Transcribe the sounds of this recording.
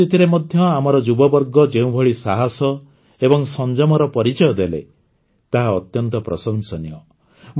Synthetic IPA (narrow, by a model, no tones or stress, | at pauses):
it̪ʰiɾemɔd̪ʱjɔamɔɾɔd͡ʒubɔbɔɾɡɔd͡ʒeũbʱɔɭisaɦasɔ | ebɔŋsɔnd͡ʒɔmɔɾɔpɔɾit͡ʃɔjɔd̪elḛ | t̪aɦaɔt̪jɔnt̪ɔpɾɔsɔŋsɔnijɔ | m